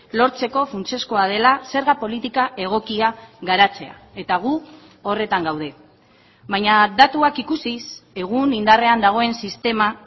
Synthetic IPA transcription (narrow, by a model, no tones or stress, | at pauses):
lo̞ɾt͡se̞ko̞funt͡se̞sko̞að̞e̞lase̞ɾɣapo̞lit̪ikae̞ɣ̞o̞kiaɣaɾat͡se̞a̰ | e̞t̪aɣ̞u | o̞re̞t̪aŋɡawð̞e̞ | βajɲad̪at̪uakikusise̞ɣ̞unind̪are̞and̪aɣ̞o̞e̞nsist̪e̞ma